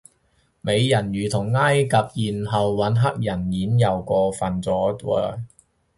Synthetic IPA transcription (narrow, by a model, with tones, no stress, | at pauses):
me˨˧jjɐ˨˩njyː˨˩t̪ʰʊ˨˩ŋːaː˥jkɐ˨p̚jiː˨˩nɦɐ˨wːɐ˨˥nɦɐ˥k̚jɐ˨˩njiː˨˥njɐ˨wkʷɔː˧fɐ˨nt͡sɔː˨˥t̪ɔː˧˩